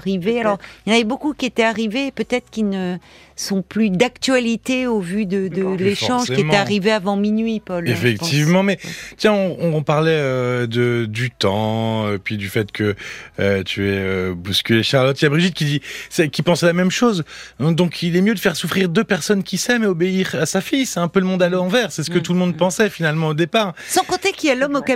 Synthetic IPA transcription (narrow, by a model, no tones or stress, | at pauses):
ʁivealɔʁjɑnvɛbokukʲiet̪ɛaʁiveːpøt̪ɛt̪χə̥kʲilnə | sɔ̃plyd̪akt̪ɥalit̪eovyd̪əd̪əleʃɑ̃ʒkiemt̪ɛ̃aʁiveavɑ̃minɥipɔlefɛktt̪ivmɑ̃mɛt̪jɛ̃ɔ̃ɔ̃paʁlɛød̪əd̪yt̪ɑ̃epɥid̪yfɛt̪kʰəøt̪ʰyɛøbuskʲyleʃaʁlɔt̪jabʁiʒit̪̚kʲid̪isɛkʲipɑ̃sɛlamɛmʃozd̪ɔ̃kʰilɛmjød̪əfɛʁsufχiʁd̪øpɛʁsɔnkʲisɛmeobeiʁasafijsɛɛ̃pøləmɔ̃d̪alɔɑ̃vɛʁsɛsə̥kət̪uləmɔ̃d̪̚pɑ̃sɛfinalmɑ̃od̪epaːʁsɑ̃kɔ̃t̪ekiɛlɔmɔka